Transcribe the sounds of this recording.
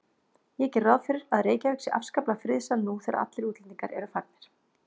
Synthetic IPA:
jɛcɛrrawðfɪɾɪɾaðreːjcavɛksɪʔa̰fskaplafɾɪðsanːuθɛːɾa̰a̰t̪lɪɾuːt̪lɛniŋkaɾʔɛɾʏfaɾt̪mɪɾ̥

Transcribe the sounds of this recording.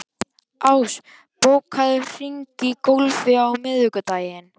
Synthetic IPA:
aːws | powkʰaðʏr̥iɲcɪkowlvɪawmɪðhʏkʏt̪aːjɪn

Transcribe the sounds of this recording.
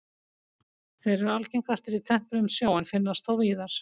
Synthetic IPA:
θejɾɛɾalcejŋkast̪ɪɾit̪ʰɛm̥pɾʏmsjaːwɪnfɪnːast̪awviːðaɾ̥

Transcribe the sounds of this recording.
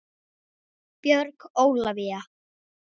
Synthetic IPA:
pjœɾkoːwlavia

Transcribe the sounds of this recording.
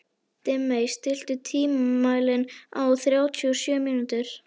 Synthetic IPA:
t̪ɪmːejst̪ɪl̥t̪ʏt̪ʰiːmamaːjlɪna̰wθɾjaːwt̪ʰyɔsjœːmiːnʏt̪ʏɾ̥

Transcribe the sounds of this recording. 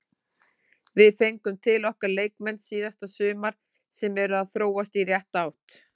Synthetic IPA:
vɪðfejŋkʏmt̪ʰɪlɔhkaɾlejkmɛnsiːðast̪asʏːmaɾ̥ | sɛmɛɾʏaðθɾoːwast̪irjɛht̪aːwht̪

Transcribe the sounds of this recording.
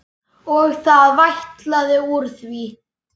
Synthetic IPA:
ɔɣθaðvajht̪laðɪuɾ̥θvi

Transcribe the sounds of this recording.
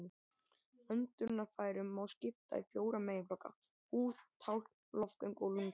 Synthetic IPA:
ɪ | œnt̪ʏɾnafaːjɾʏmːawscɪft̪a̰ḭfjoːwɾamejɪflɔkːa̰ | uːθt̪ʰawl̥ | lɔft̪ɛŋkoːwlʏŋ

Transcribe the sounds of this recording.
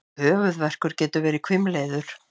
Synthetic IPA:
hœːvʏðvɛr̥kʏɾcɛːt̪ʏvɛːɾɪkʰvɪmleːjðʏɾ̥

